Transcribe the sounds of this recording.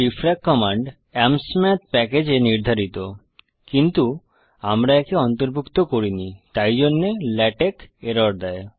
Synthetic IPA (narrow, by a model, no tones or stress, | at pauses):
ɾifɾakːɔmaɳɖ | ɛmsmɛt̪pɛked͡ʑeniɾd̪ʱaɾit̪o | kint̪u | amɾaɛkeɔnt̪oɾbʱukt̪okoɾinit̪ajd͡ʑonːelɛʈekeɾaɾd̪ɛe